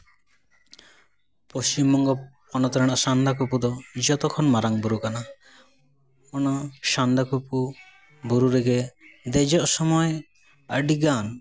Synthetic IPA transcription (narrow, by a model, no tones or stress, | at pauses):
post͡ʃimbɔŋɡɔpɔnɔt̪ɔɾɛɽ̃ɔʔsand̪ʱakupud̪ɔd͡ʒɔt̪ɔkʰɔnmaɾaŋbuɾukana | ɔnɔʃand̪ʱakupu | buɾuɾeɡed̪ɛd͡ʒɔʔsɔmɔje | əɖiɡan